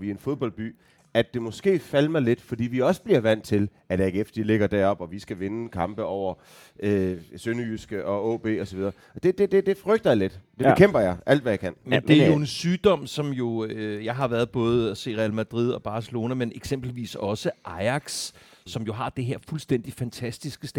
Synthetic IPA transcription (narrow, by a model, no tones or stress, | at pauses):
ʋie̝nfo̝ðˠb̥ɒ̽l̰̥̚b̥y̰ː | æd̥e̝mɔ̽sɡ̥e̝̰ːfælmɑɪle̝d̥fɒ̽d̥ḭːʋiɒ̽sə̥b̥liɐʋæn̰t͡sʰe̝l | æd̥jeɡ̥efd̥d̥ile̝ɡ̥ɐd̥æɐɒ̽b̥ɒ̽ʋisɡ̥æʋe̝nəkʰɑ̈mb̥əɒʊ̰ɐ | øsønyːsɡ̥əʔɒ̽ɔ̰ːb̥e̝̰ːɒ̽sɒ̽ʋið̞ˠɐ | ɒd̥e̝d̥ed̥e̝d̥e̝fʁœɡ̥d̥ɐjɑ̈le̝d̥d̥e̝̥ekʰem̰b̥ɐjɑ̈ɪʔæl̰d̥ʋæjakʰæn̰mend̥eæɐjo̝e̝nsyːd̥ɒ̽m̰sɒ̽mjo̝øjɑ̈ɪɦɑ̈ʋæɐð̞ˠb̥ɔ̽ːð̞̩ˠɒse̝̰ːʁɛælmæd̥ʁið̞̰ˠɒ̽b̥ɑ̈ːsəlo̝ːnæmenʔeɡ̥sem̰b̥l̩ʋḭːsɒ̽səʔɑ̈ɪɑ̈ɡ̥sːɒ̽mjo̝ɦɑ̈d̥e̝ɦeɐfulsd̥en̰d̥ifænt͡sʰæsd̥isɡ̥əsd̥e